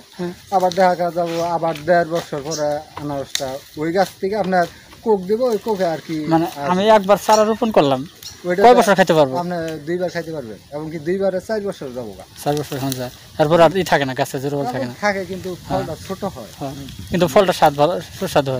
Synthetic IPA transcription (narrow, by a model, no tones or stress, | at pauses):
abaɾd̪ɛkʰakad͡zaboabaɾd̪ɛɾbɔsɔɾpɔɾeanaɾɔsʈaojɡasʰt̪ʰikeapnaɾ | kok̚d̪eboojkokeaɾkimaneaamiɛk̚baɾsaɾaɾupunkoɾlamojʈaɔebɔɾsʰɔɾkʰajt̪epaɾboapned̪ujbaɾkʰajt̪epaɾbḛnɛbɔŋkid̪ujbaɾesajɾbɔɾsɔɾzabɔ̰ɡa̰saɾbɔsʰɔɾɦɔnd͡zaj | ɛɾpɔɾaɾit̪ʰakenaɡasezuɾobɔlt̪ʰakkenatʰakekint̪upʰɔlʈat͡ʃʰoʈoɦɔehɔkint̪upʰɔlʈaʃad̪bʱɔʃad̪ʱɦɔ